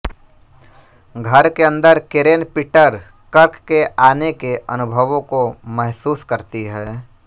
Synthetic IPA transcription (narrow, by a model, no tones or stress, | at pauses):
ɡʱəɾkeə̃nd̪əɾkɪɾeːnpɪʈəɾ | kəɾkkːeʔaːnekeʔənʊbʱəʋõkomɛɦsuːskəɾt̪iɦɛː